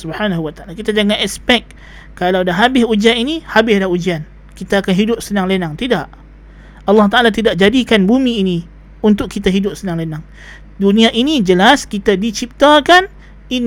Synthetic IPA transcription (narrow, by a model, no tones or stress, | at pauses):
subhanaɦuwat̪aalakit̪ad͡ʒaŋanɛspɛk̚ | kːalawdaɦabɪsud͡ʒianinihabɪhlaɦud͡ʒian | kit̪aːkanɦidʊp̚sənaŋlenaŋt̪idaʔ | ɑlːɑht̪aalat̪idaʔd͡ʒadikanbumiːni | unt̪ʊkːit̪aɦidʊp̚sənaŋlenaŋ | duniaʔinid͡ʒəlaskit̪adit͡ʃip̚t̪akan | in